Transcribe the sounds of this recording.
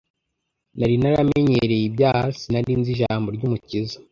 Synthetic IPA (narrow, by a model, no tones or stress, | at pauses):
naɾinaɾame̞ɲe̞ɾe̞jibɟaːhasinaɾiːnziʒaːmbo̞ɾɟumucizḁ